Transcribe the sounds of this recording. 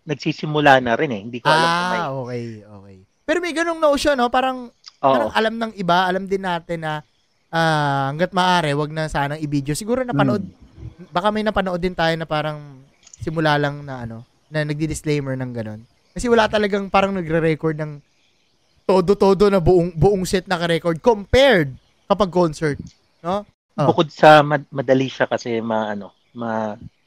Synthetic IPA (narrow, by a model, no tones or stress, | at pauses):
nɐɡ̚sisɪmʊlaːnɐɾɪnɛhɪnd̪iːkoalʔo̞ːkɛjʔo̰ːkɛj | pɛːɾo̞mɐjɡɐno̞ŋnɐʔoʃono̞paːɾɐŋpʔoaʔɾɐŋʔɐlamnɐŋʔɪbaʔɐlamd̪ɪnːaːt̪ɪnːɐ | ʔaːhɐŋɡat̪̚mɐːʔaːɾɛwɐɡ̚nɐsaːnɐŋʔɪbid̪jo̞sɪɡuːɾonɐpɐoʔod̪̚bɐkamɐjnɐpɐnoʔo̞d̪ːɪnt̪aːjo̞nɐpaːɾɐŋ | sɪmʊlaːlɐŋnɐʔɐno̞ | nɐnɐɡ̚d̪id̪ɪsklejmɛɹnɐŋɡɐno̞n | kɐsɛwɐlat̪ɐlɐɡaŋpaːɾɐŋnɐɡɾɛɾɛkoɹd̪nɐŋ | t̪od̪ot̪o̞ːd̪o̞nɐbʊʔoŋbʊʔoŋsɛt̪̚nɐkɐɾɛkoɹd̪̚kompɛɹd̪̚ | kɐpɐɡ̚konsɛɹt̪̚ | no̞ | bobʊkod̪̚sɐmɐmɐd̪ɐliʃakɐsɛmɐʔɐno̞ | mɐ